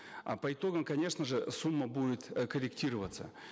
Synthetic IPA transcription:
pəɪt̪o̞ɡəmkɐnʲe̞ʂnəʐɨsumːəbudʲɪt̪kəɾʲɪktʲiɾəvət̪sə

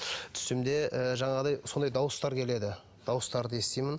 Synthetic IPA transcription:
t̪ʰʏ̥sɪmd̪e̞ʔəʒɑɴɑʁd̪ɑjso̞nd̪ɑjd̪ɑwəst̪ɑɾkʲʰe̞le̞d̪ɪ | d̪̥ɑwəst̪ɑɾd̪əe̞st̪ejmɪn

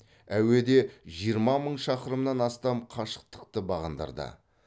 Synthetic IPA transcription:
æwe̞d̪e̞ʒijəɾmɑməɴʃɑqəɾəmnɑnɑst̪ɑmqʰɑʃə̥q̚t̪ə̥q̚t̪əbɑʁɑnd̪ɑ̰ɾd̪ə̰

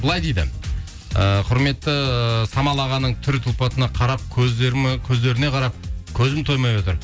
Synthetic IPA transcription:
bəlˠɑjd̪ejd̪ɪ̰ | əqʰʊɾme̞t̪ːɪsɑmɑlˠɑʁɑnːəɴt̪ʰʏɾɪt̪ʰʊlˠpɑt̪ənɑqʰɑɾɑp̚k̪ʲʰkʲʰɵzd̪e̞ɾɪne̞qʰɑɾɑp̚kʲʰɵzɪmt̪ʰo̞jmɑjwot̪̬əɾ

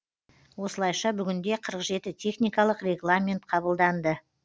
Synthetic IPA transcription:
wo̞səlˠɑjʃɑbʏɡʲɪnd̪e̞qʰəɾəqʒe̞t̪ɪt̪ʲʰe̞χnʲijkɑlˠəqrʲe̞ɡlˠamʲent̪̚qʰɑbəlˠd̪ɑnd̪ə

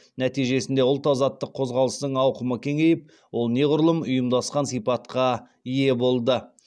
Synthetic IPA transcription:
næt̪ijʒe̞sɪnd̪e̞ʊlˠt̪ɑzɑt̪ːəqʰo̞zʁɑlˠəsd̪əɴɑwqəməkʲʰe̞ŋe̞jɪp̚ | wo̞lˠne̞ʁʊɾəlˠəmʊjəmd̪ɑsqɑnsijpɑt̪qɑ | ije̞bo̞lˠd̪ə

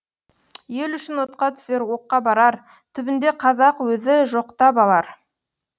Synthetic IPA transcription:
je̞lʏʃɪnwo̞t̪qɑt̪ʰʏ̥seɾwo̞qːɑbɑɾɑɾ | t̪ʰʏbɪnd̪e̞qʰɑzɑqwɵzɪʒo̞qt̪ɑpɑlˠɑɾ

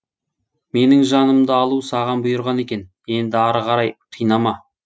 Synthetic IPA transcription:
me̞nɪŋʒɑnəmd̪əɑlˠusɑʁɑnbʊjʊɾʁɑne̞kʲe̞n | e̞nd̪ɪɑɾʁɑɾɑjq̪ʰijnɑmɑ

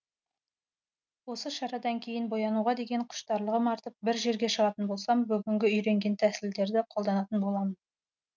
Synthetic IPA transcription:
wo̞səʃɑɾɑd̪ɑŋkʲʰe̞jɪnbo̞jɑnuʁɑd̪e̞ɡʲe̞ɴqʰʊ̥ʃt̪ɑɾlˠəʁəmɑɾt̪əp̚bɪɾʒe̞ɾɡʲe̞ʃəʁɑt̪ənbo̞lˠsɑmbʏɡʲɪŋɡʲɪʏjɾe̞ŋɡʲe̞nt̪ʰæsɪld̪e̞ɾd̪ɪqʰo̞lˠd̪ɑnɑt̪ənbo̞lˠɑmən

